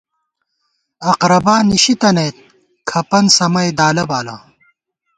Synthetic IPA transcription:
ɐqɾɐbaːniɕit̪ɐneːt̪̚ | kʰɐpɐnsɐmɐjd̪aːlɐbaːla̰

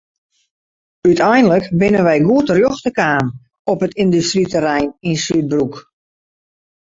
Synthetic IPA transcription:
ytʰɛjnələkbɪnənʋɛjɡuətərjoxtəkaːm | ɔpətɪndystritəɾɛjninsyt̚bruk

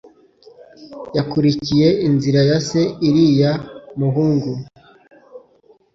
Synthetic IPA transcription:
jakuɾicije̞inziɾajase̞iɾijamuɦuːŋɡu

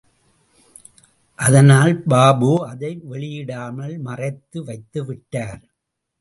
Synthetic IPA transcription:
ʔɐðɐnaːlbaːboːɐðɐɪʋɛɭɪjɪɽaːmɐɭmɐrɐɪt̪ːɯʋɐɪt̪ːɯʋɪʈːaːɾ

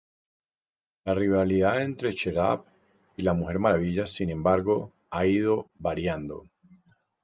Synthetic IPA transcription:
lariβaliðaðe̞nt̪ɾe̞t͡ʃeɾa̰p | ilamuxe̞ɾmaɾaβ̞iʎasinẽ̞mbaɾɣo̞ | aið̞o̞βaɾjand̪o̞

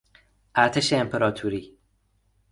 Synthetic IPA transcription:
ʔæɾt̪ʰeʃeːmpʰeɾɒːt̪ʰuːɾiː

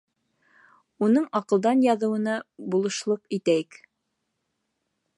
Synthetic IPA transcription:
unɤɴɑqɤ̆lˠd̪ɑnjɑðɤ̆wɤ̆nɑbulˠɤ̆ʃlˠɤqit̪æjɘk

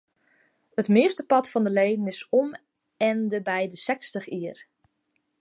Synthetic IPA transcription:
ətmɪəstəpɑtfɑndəlejdənɪsɔm | ɛndəbɛjdəsɛkstəχiər

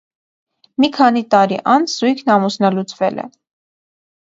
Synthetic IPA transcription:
mikʰɑnit̪ɑɾḭʔɑnt͡sʰz̥ujkʰnɑmusnɑlut͡sʰvɛ̰lɛ̰

